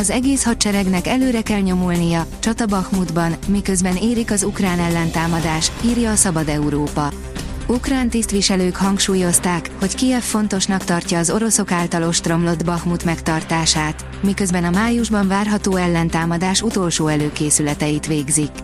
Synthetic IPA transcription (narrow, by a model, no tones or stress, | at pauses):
ɒzɛɡeːshɒtt͡ʃɛɾɛɡnɛkɛløːɾɛkɛlɲo̞mulnijɒt͡ʃɒt̪ɒbɒxmud̪bɒnmikø̞zbɛneːɾikɒzukraːnɛlːɛnt̪aːmɒd̪aːʃiːrjɒːsɒbɒd̪ɛuɾoːpɒ | ukraːnt̪ist̪ʋiʃɛløːkhɒŋkʃuːjo̞st̪aːkho̞ckiɛfːo̞nt̪o̞ʃnɒkt̪ɒrcɒːzo̞ɾo̞so̞kaːlt̪ɒlo̞ʃt̪ro̞mlo̞d̪bɒxmut̪mɛkt̪ɒrt̪aːʃaːt̪ | mikø̞zbɛnɒmaːjuʒbɒɱvaːrɦɒt̪oːɛlːɛnt̪aːmɒd̪aːʃut̪o̞lʃoːɛløːkeːsylɛt̪ɛjit̪ʋeːɡzik